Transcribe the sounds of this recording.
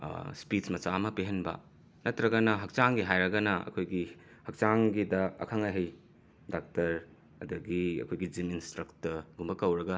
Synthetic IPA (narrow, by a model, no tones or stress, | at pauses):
spismɐt͡ʃamɐpeɦenbɐ̰ | nɐtɾɐɡɐnɐɦɐk̚t͡ʃaŋɡiɦajɾɐɡɐnɐɐ̰kʰojɡi | hɐk̚t͡ʃaŋɡidɐɐ̰kʰɐŋaɦej | dak̚tɐɾ | ɐ̰dɐɡiɐ̰kʰojɡid͡ʒiminstɾɐktɐɡumbɐkɐwɾɐɡɐ